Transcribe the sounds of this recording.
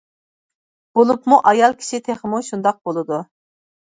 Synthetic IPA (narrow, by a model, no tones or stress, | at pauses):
b̥olˠupmuʔɑjɑlˠkʲʰi̥ʃɪt̪ʰeχəmuʃund̪ɑq̚bolˠɨd̪u